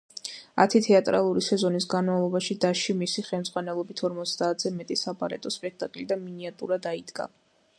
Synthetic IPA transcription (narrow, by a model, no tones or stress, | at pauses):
a̰t̪ʰit̪ʰɛat̪ʼɾa̰lˠuɾisɛzɔnisɡanmavlˠɔbaʃid̪aʃimisiχɛmd̪zʁwanɛlˠɔbit̪ʰɔɾmɔt̪sʰd̪aːt̪ʰz̥ɛmɛt̪ʼisabaɾɛ̰t̪ʼɔspʼɛk̚ʰt̪ʼakʼlid̪aminiat̪ʼṵɾad̪aid̪ɡa̰